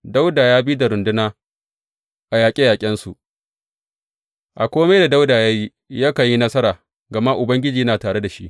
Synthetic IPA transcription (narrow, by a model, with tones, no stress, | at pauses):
da˦wdaː˨jaː˦biː˦da˨ɾʊ˨ndʊ˦naː˦ | ʔa˨jaː˨kʲʼɪ˦jaː˨kʲʼɪ˦nsu˨ʔ | ʔa˨kʷoː˦me˦da˨da˦wdaː˨jaː˦ji˦ | jaː˦kɐ˨ji˦nɐ˦sɐ˦ɾaː˨ | ɡɐ˨ma˦ʔʊ˨bɐ˦ŋɡʲɪ˦d͡ʒiː˨jɐ˦naː˨taː˨ɽe˦da˨ʃḭ˦ʔ